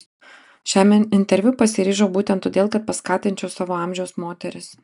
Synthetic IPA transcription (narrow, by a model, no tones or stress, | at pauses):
ʃʲæːmʲɛnɪnʲt̪ʲɛɾʲʋʲʊpɐsʲɪɾʲiːʒobuːt̪ʲɛnt̪ːoːd̪eːlˠkɐt̪̚pɐskɑːt̪ʲɪnʲt͡ʃʲɛʊsɑːʋoːɑːˑmʲʒʲɛʊsmoːt̪ʲɛɾʲɪs